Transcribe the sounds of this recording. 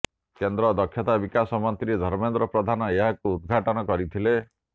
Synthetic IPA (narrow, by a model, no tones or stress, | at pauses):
kend̪ɾɔd̪ɔkʰjɔt̪abikasɔmɔnt̪ɾid̪ʱɔɾmend̪ɾɔpɾɔd̪ʱanɔeɦakuːd̪ɡʱaʈɔnɔkɔɾit̪ʰile